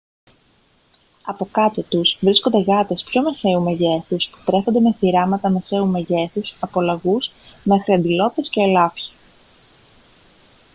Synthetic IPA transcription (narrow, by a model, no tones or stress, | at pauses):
ɐpo̞kɐt̪ot̪uzvɾisko̞nd̪e̞ɣɐt̪e̞spço̞me̞se̞umeʝe̞θuspu̥t̪ɾe̞xo̞nd̪e̞me̞θiɾɐmɐt̪ɐme̞se̞ume̞ʝe̞θusɐpo̞lɐɣuz | me̞xɾiɐnd̪ilo̞p̪e̞sce̞ːlɐfçi̥